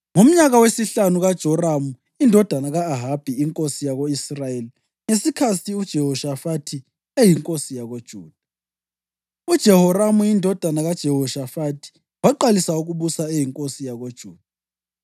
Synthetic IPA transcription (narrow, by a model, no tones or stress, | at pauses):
ŋum̩ɲaɣawesiɬanuɣad̥ʒ̥ʱɔramu | indʱɔd̥ʱanaɣaːɦab̥ʱiiŋkʼosijaɣoisrajeli | ŋesikʰasiud̥ʒ̥ʱɛɦɔʃafatʰi | ejiŋkʼosijaɣod̥ʒ̥ʱuːd̥ʱa | ud̥ʒ̥ʱɛɦɔramujindʱɔd̥ʱanaɣad̥ʒ̥ʱɛhɔʃafatʰi̥ | waǃalisauɣuβusaejiŋkʼosijaɣod̥ʒ̥ʱuːd̥ʱa